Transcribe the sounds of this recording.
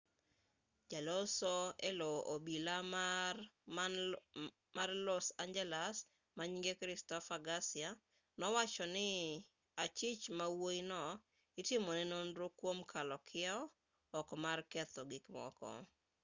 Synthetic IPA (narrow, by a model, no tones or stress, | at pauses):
d͡ʒalɔsɔelɔʔobila | marlɔsand͡ʒɛlas | maɲiŋɡekɾɪstɔfaɡasɪa | nɔwat͡ʃɔnɪ | at͡ʃɪt͡ʃmawoinɔ | ɪtɪmɔnɛnonɾʊkwomkʰalɔkʰɪaɔ | ɔkɔmarkɛt̪ɔɡikmɔ̰kɔ̰